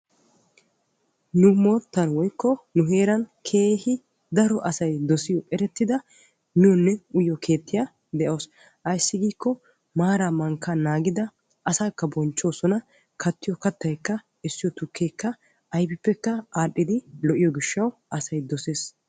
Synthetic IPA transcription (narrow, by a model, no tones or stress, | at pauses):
nʊmoːt̪ːɐnwɔjkːɔnʊɦe̞ːɾɐnkʰe̞ːhɪ | d̪ɐɾɔʔɐsɐjd̪ɔsɪjɔʔʼɛɾɛt̪ːɪd̪ɐ | nɪwɔnːɛʊjɔkʰe̞ːt̪ːɪja | d̪ɛʔoːs | ʔɐjsːɪɡiːkːɔ | maːɾamɐŋkːɐnaːɡɪd̪ɐ | ʔɐsaːkːɐbɔnt͡ʃːo̞ːsɔnɐ | kʰɐt̪ːɪjɔkɐt̪ːɐjkːɐ | ɪsːɪjɔt̪ʊkːejkːɐ | ɐjbɪpːɛkːɐaːɗːɪd̪ɪlɔʔɪjɔɡɪʃːɐwʔɐsɐjd̪ɔseːs